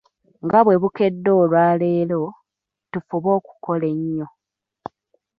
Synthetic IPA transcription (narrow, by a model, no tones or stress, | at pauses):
ŋɡaβwe̞βuke̞dːo̞ːlwaːle̞ːlo̞ | tufuβo̞ːku̥ko̞le̞ɲːo̞